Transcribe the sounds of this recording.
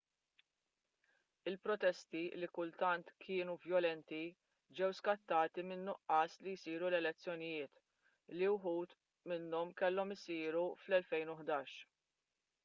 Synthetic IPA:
ɪlpɾɔt̪ɛst̪ilikʊlt̪ɐnt̪kʰɪːnuvjɔlɛnt̪i | d͡ʒɛwskɐt̪ːɐːt̪imɪnːɔʔɐːslijsiːɾulɛlɛt͡sːjɔnɪjɪːt̪ | liwħuːt̪ | mɪnːɔmkɛlːɔmɪsiːɾuflɛlfɛjnʊħd̪ɐːʃ

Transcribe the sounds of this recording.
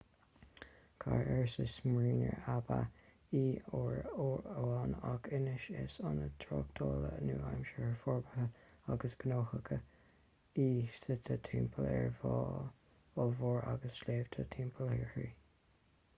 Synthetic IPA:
kʰaɹɛɹsɪsmɹiːnəɹaba | iːoɹəɑːnɑɡɪnɪʃɪsɑnət̪ʰɾoːkt̪ʰoːlənuːajmʃəhəɹfɔɹbəhə | aɡəsɡ̥ənoːhəɡə | iːtət̪ʰət̪ʰiːmpʰəlɛɹv | ʊlvoːɹaɡəsleːv̥t̪ʰət̪ʰiːmpʰəlɛɹhi

